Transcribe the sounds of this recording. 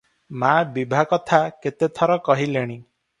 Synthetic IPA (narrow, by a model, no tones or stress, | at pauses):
mabibʱakɔt̪ʰaket̪et̪ʰɔɾɔkɔɦileɽ̃i